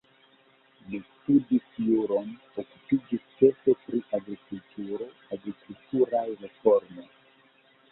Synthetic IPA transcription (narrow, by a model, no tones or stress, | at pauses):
listudisjuɾo̞n | okupid͡ʒist͡ʃe̞ɾfe̞pɾiʔaɡɾikultʰuɾo̞ | aɡɾikultuɾajɾefo̞ɾmoj